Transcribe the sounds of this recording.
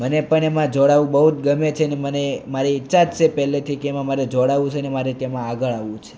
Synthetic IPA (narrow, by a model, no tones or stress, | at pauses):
mənepəɳemãd͡ʒoɽaʋũbəɦut̪̚ɡəmet͡ʃʰenemənemaɾiitːʃad͡ʒt͡ʃʰepɛɦlet̪ʰikeemãmaɾed͡ʒoɽaʋũt͡ʃʰenemaɾet̪emãaɡəɭaʋũt͡ʃʰe̥